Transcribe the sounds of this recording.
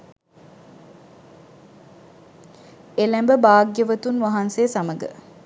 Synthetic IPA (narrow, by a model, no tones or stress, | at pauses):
elæmbəbaːɡjəʋət̪unʋaɦanseːsaməɡə̰